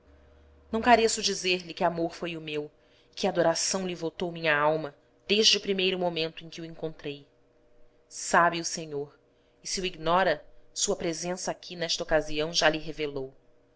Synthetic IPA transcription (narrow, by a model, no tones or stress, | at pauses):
nɐ̃w̃kaɾesʊd͡ʒizeɾlɪkɪamoɾfojʊmew | ɪkɪad̪oɾasɐ̃w̃lɪvot̪owmĩɲɐawmɐ | d̪̥eʒd͡ʒɪʊpɾimejɾʊmomẽnt̪ʊẽj̃kʲɪwẽŋkõnt̪ɾej | sabiʊseɲoɾ | ɪsiuiɡnɔɾɐsuɐpɾezẽsɐakʲʰinɛʃt̪ɐokaziɐ̃w̃ʒaliɦevelow